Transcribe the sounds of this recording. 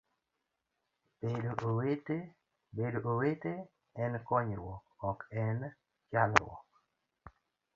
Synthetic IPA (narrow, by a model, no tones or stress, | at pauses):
b̥edoʔowete | bedoowete | ɛnkɔɲewɔ | ɔkɛn | t͡ʃalwɔ̰k